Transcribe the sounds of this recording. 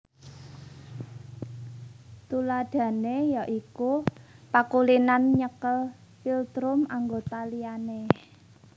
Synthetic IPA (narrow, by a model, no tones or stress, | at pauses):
t̪ulad̥ä̤nejaʔikupakulinanɲəkəl | filt̪ɾʊmaŋɡot̪aliane